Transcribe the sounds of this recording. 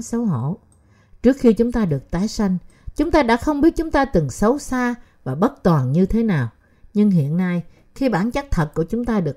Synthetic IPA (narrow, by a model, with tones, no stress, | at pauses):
sə˨˦wɦo̰˧˨ | t͡ɕɨ˦˥ək̚xi˧t͡ɕʊ˨˦ŋ͡mt̪aː˧ɗɨ˨˩ək̚t̪aː˨˦jsa˧jŋ̟ | t͡ɕʊ˨˦ŋ͡mt̪aː˧ɗa̰ː˧˥xə˧wŋ͡mɓi˦˥t̚t͡ɕʊ˨˦ŋ͡mt̪aː˧t̪ɨ˨˩ŋsə˨˦wsaː˧ | vaː˨˩ɓə˦˥t̚t̪waː˨˩nɲɨ˧t̪ʰe˨˦naː˨˩w | ɲɨ˧ŋɦḭ˧˨ənːa˧j | xi˧ɓa̰ː˧˩nt͡ɕa˦˥k̚t̪ʰə˨˩t̚ku˧˩ət͡ɕʊ˨˦ŋ͡mt̪aː˧ɗɨ˨˩ə